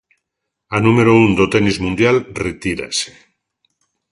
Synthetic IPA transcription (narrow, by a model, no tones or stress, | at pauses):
anũmeɾound̪ot̪enizmũnd̪jalret̪iɾa̰se̥